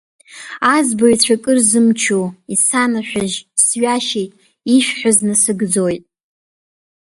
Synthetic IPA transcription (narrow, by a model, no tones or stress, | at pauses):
azboit͡ɕʷʰakʼɨrzɨmt͡ʃʰuisanaħᶣʷaʒsɥaʃejtʼ | iʃᶣħʷaznɨsɨɡd͡zojtʼ